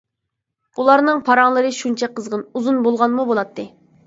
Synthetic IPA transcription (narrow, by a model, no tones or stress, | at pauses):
ulˠɑɾnɨŋpʰɑɾɑŋlˠɨɾɨʃunt͡ʃʰɛqʰəzʁənuzunbolˠʁɑnmubolˠɑt̪ʰːɨ